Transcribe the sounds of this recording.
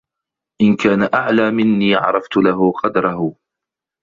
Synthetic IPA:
ʔɪnkaːnaʔaʕlaːmɪnːiːʕɑ̰ɾˤɑft̪ʊlaɦʊqɑd̪ɾˤɑɦʊ

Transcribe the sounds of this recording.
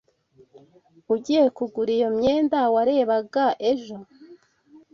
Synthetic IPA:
uɟiːjekuɡuɾijomɲeːndawaɾe̞ːβaɡaʔe̞ʒo̞

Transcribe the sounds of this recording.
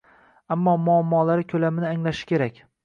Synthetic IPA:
amːɒmʊamːɒːlaɾɪkʲʰɵlamɪnɪaŋlaʃɪ̥kʲʰe̞ɾakʲ

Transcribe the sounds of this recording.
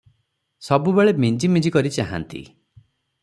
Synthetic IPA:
sɔbubeɭemind͡ʒimĩd͡ʒikɔɾit͡ʃaɦa̰nt̪ḭ

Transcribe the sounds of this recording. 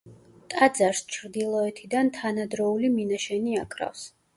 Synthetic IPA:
t̪ʼad̪zaɾst͡ʃʰɾd̪ilˠɔɛt̪ʰid̪ant̪ʰanad̪ɾɔuliminaʃɛniakʼɾa̰fs

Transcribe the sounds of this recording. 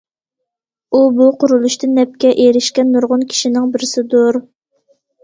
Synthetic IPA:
ubuqʰʊɾulˠuʃt̪ʰɨnɛp̚kʲɛʔeɾɪʃkʲɛnːuɾʁʊnkʲʰi̥ʃinɪŋbɪɾɪsɪd̪uɾ

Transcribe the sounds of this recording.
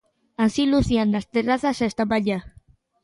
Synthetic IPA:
ansiluθjand̪ast̪eraθasaest̪aβaʎa

